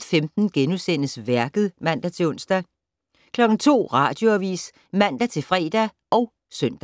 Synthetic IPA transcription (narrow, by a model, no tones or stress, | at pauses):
femd̥n̩ɡ̥enusen̰əsʋæɐɡ̥ð̩ˠmæn̰d̥æt͡sʰe̝ɔ̽n̰sd̥æ | kʰlɒ̽ɡ̥n̩t͡sʰo̝̰ːʁɑ̈d̥jo̝æʋḭːs | mæn̰d̥æt͡sʰe̝fʁɛ̰ːd̥æ | ʔɒ̽ʊ | sœn̰d̥æ